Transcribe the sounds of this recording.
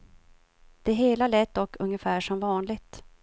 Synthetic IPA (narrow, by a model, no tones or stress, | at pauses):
d̪̥ɛɦeːlalɛːt̪̚d̪ɔkːɵŋjəfæːʂɔmvɑːnlɪɡt̪